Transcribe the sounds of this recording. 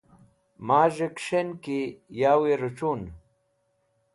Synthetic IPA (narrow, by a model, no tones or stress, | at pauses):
maːʑekʂenkijaːweɾuʈ͡ʂun